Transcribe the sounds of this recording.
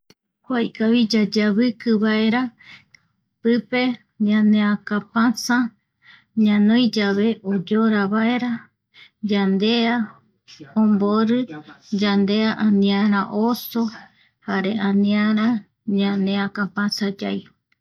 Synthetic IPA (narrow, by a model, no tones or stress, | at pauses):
kʷajkaβid͡ʒad͡ʒaβɨkɨβae̞ɾa | pɨpe̞ | ɲãnẽakãpãsa | ɲãnõjd͡ʒaβe̞ʔod͡ʒoɾaβae̞ɾa | d͡ʒand̪ea | õmboɾɨd͡ʒand̪e̞aʔanĩãɾ̃ãʔoso | haɾe̞ʔãnĩãɾã | ɲãnẽãkãpãsad͡ʒaj